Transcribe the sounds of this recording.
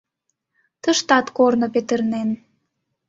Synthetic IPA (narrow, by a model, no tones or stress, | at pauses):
t̪əʃt̪ɑt̪kornopet̪ərnen